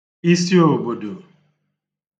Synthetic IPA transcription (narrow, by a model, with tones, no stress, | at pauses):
i˦si˦o˨bo˨do˨